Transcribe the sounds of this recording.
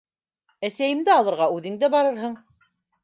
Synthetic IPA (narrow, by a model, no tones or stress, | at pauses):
æsæjɘ̆md̪æɑlˠɤ̆ɾʁɑʉðɘŋd̪æbɑɾɤɾɦɤɴ